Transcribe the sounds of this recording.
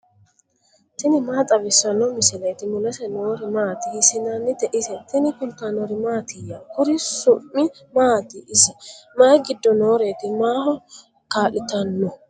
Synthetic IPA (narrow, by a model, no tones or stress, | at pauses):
t̪ɪnɪmaːt̪ʼɐbɪsːɐnːɔmɪsɪleːt̪ɪmʊlɛsɛnoːɾɪmaːt̪ɪhɪsɪnanːɪd̪ɛʔɪsɛt̪ɪnɪkʊnt̪ːaːnɔɾɪmaːt̪ɪjːakʊɾɪsʊmːɪ | maːt̪ɪɪsɛmaːɡɪd̪ːɔnoːɾet̪ɪmaːhɔ | kaːlɪt̪ɐnːɔ